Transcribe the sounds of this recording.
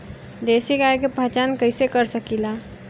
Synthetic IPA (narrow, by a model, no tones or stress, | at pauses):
d̪esiɡaɾkepət͡ʃankəɪsekəɾsəkila